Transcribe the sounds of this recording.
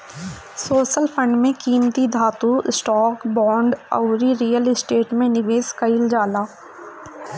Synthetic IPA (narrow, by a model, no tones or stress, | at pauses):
soːʃəlpʰə̃ɳɖmẽkiːmt̪id̪ʱaːt̪uɪsʈɔːkbɔːɳɖə̰wɾiɾiːəlɪsʈeːʈmẽnɪʋeːskɐɪld͡ʒaːlaː